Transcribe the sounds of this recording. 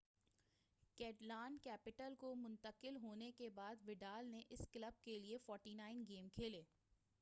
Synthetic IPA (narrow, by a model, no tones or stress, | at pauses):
kɛːʈlaːnkɛːpɪʈəlkomʊ̃nt̪əqɪlɦoːnekebaːd̪ʋɪɖaːlneʔɪsklɐb̚keliefɔːɾʈinaːɪnɡeːmkʰeːleː